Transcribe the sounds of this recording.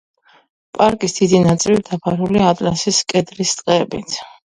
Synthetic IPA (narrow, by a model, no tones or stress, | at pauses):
pʼaɾkʼisd̪̥id̪inat̪sʼilid̪apʰaɾuliat̪ʼla̰siskʼɛd̪ɾist̪sʼqʼɛbḭt̪ʰ